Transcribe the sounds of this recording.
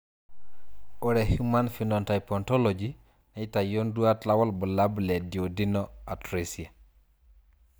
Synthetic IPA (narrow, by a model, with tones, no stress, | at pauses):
o˨ɾehu˦ma˦nfinonta˨jpo˨nto˦lod͡ʒi | na˨i˦ta˨jondu˦a˦tla˦wa˦lbə˨la˦ble˨di˨o˨di˦noa˨tɾesi˨a˨